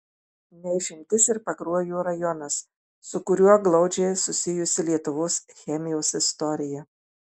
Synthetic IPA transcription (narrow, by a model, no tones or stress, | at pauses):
nʲɛɪʃʲɪmʲt̪ʲɪsɪɾpɐkɾuɔjuːɾɐjɔnɐsː | ʊkʊɾʲuɔɡlˠɒʊd͡ʒʲɛɪsʊsʲɪjʊsʲɪlʲiɛt̪ʊʋoːsxʲɛmʲɪjɛʊsɪst̪ɔɾʲɪjɛ